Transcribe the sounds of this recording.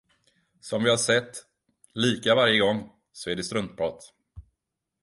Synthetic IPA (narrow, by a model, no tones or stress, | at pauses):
sɔmvɪhaʂɛt̪ː | liːkavaɾjəɡɔŋː | sɔæɖɛst̪ɾɵnt̪̚bʰɾɑːt̪